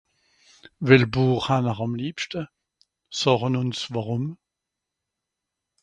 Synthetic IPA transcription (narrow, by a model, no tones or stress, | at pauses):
vɪlbuːχhanəʁɑmliːpʃtə | sɔχənʊnsvaʁʊm